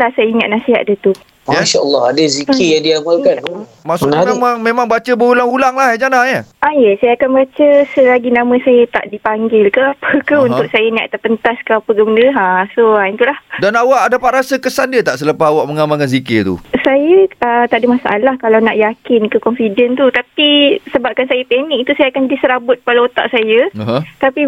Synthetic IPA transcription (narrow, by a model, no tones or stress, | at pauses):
lahsajəiŋat̪̚nasiɦa̰ʔ̪̚dət̪u | aʃaəlːɔhadəzikijaŋdiamalkan | maʔsʊmemaŋmẽmãŋbat͡ʃəbəulaŋhulaŋlahad͡ʒanaɲəajəsajakanbat͡ʃəsəlaɡinãmə̃sajət̪a̰ʔdipaŋɡɪlkəapʰəkahunt̪ʊk̚sajənia̰ʔt̪apənt̪askəapəɡəməndəɦasoaint̪ulahdanawaʔadapaʔɾasəkəsandiət̪aʔsələpaɦawaʔməŋamakans̬iket̪ṵsajəət̪aʔdəmasa̰ʔalahkalawna̰ʔjakɪnkəkɔnfidənt̪ut̪apisəbap̚kansajəpɛnikt̪usajakandisəɾabʊt̪̚palaot̪a̰ʔsajəəɦə̃t̪api